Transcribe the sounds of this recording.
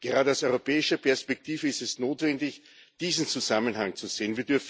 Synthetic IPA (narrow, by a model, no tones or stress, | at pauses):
ɡ̥əʁaːɾəaʊsɔʏʁopɛːɪʃɐpʰɛɐspɛk̚tʰiːvəɪstɛsnoːtv̥ɛndɪç | d̥iːzn̩t͡suzamənɦaŋt͡suz̥eːənviːɐdyɐf